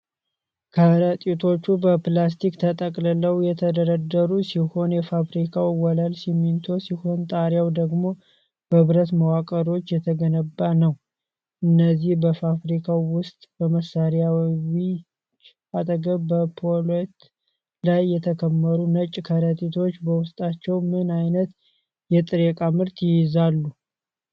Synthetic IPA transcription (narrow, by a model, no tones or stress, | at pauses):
kʰəɾət̪ʼit̪ʰo̞t͡ʃːubəplas̬t̪ʰikt̪ʰət̪ʼəkʼlɨləwjɛt̪ʰəd̪əɾəd̪ːəɾusiho̞njɛfafɾikʰawwɔlalsimːint̪ʰo̞siho̞nt̪ʼaɾjawd̪əɡmo̞ | b̥əβɨɾət̪məwakʼəɾo̞t͡ʃːjɛt̪ʰəɡənəbːanəw | ʔɨnːəzːihbəfafɾikʰawwʊst̪ʼbəməsːaɾjawwi | t͡ʃ | at̪ʼəɡəβbəpʰolet̪ | lajːɛt̪ʰəkʰəmːəɾunət͡ʃʼkʰəɾət̪ʼit̪ʰo̞t͡ʃːbəwʊst̪ʼat͡ʃːɛwmɨnajnət̪ | jɛt̪ʼɨɾekʼamɨɾt̪jɪjɪzalːu